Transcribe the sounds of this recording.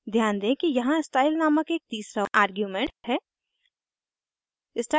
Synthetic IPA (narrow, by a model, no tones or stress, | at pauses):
d̪ʱjaːnd̪ẽːkijɐɦãɪsʈaːɪlnaːməkeːk̚t̪iːsɾaʔaːɾɡjuːmẽɳʈhɛː | ɪsʈaː